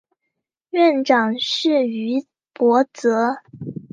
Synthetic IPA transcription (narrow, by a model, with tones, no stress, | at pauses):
ɥɛ˥˩nʈ͡ʂɑ˨˩ŋʂɻ̩˥˩y˧˥ | pwɔ˧˥t͡sɤ˧˥